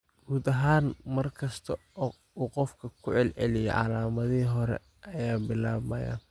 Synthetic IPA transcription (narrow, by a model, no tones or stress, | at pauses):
ɡ̥uːd̪ɐɦaːnmɐrkʰɐst̪ʰɐɔː | uːqɔfkʰɐkʰʊʕɛlʕɛ̰lɪjɛ̰ʕɑ̰laːmɐðiːɦɔɾɛ̰ | ʔɐjaːbɪlaːβɐja̰ːn